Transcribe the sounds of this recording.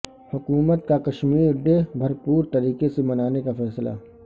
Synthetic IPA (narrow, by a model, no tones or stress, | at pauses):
hʊkuːmət̪kakɐʃmiːɾɖ̪ebʱɐɾpuːɾt̪ɐɾiːkesemɐnaːnekafɛːsla̰